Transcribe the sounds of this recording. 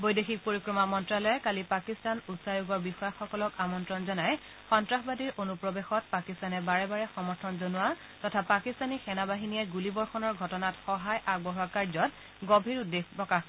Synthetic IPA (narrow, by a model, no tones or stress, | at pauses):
bojdexik̚poɹikɹɔmamɔntɹalɔjɛkalipakistanusajuɡɔɹbixɔjaxɔkɔlɔkamɔntɹɔnzɔnaj | xɔntɹaxbadiɹʔonupɹɔbexɔt̚pakistanɛbaɹɛbaɹɛxɔmɔɹtʰɔnzonʊwa | tɔtʰapakistanixɛnabaɦinijɛɡulibɔɹxɔnɔɹɡʱɔtɔnatxɔɦajʔaɡ̚bɔɦakaɹzɔt | ɡobʱiɹudexpɹɔkax